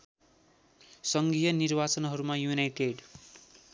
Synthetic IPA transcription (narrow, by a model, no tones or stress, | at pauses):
sʌŋɡijʌnirbat͡sʌnɦʌɾumajunajʈeɖ